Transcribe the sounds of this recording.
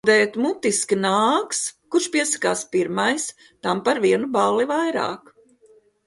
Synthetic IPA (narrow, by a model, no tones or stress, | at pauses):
d̪ɛːt̪mut̪iskinaːkskuɾʃpiɛsɐ̥kaːspiɾmajs | t̪ampaɾviɛnubalˠivajɾa̰ːk